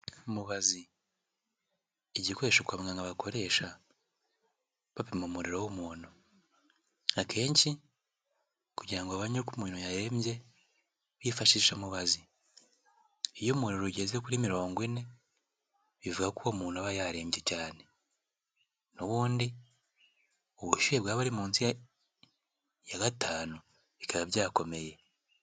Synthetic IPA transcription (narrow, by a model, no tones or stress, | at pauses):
umuβazi | eɟikoɾeʃokwamŋɡaŋɡaβakʰo̞ɾe̞ʃa | βaβimumuɾiɾowomuːnu | akʰe̞ːɲci | kuɟiɾaŋɡoaβaɲokumuːnujaɾe̞ːmje̞ | βifaʃiːʃamuβazi | ijomuːnoɾuɟezekuɾimiɾo̞ːŋɡwine̞ | βivuɡakuomuːnhuaβajaɾe̞ːmbje̞caːne̞ | noβuːndi | uβuʃujebɡaːβaɾimuːnsi | jaɡatʰaːnu | βikʰaβaβjaːko̞me̞je̞